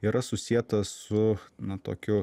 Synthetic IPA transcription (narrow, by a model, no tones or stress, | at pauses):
iːɾɐsʊsʲiɛt̪ɐssʊnɐt̪o̰ːkʲʊ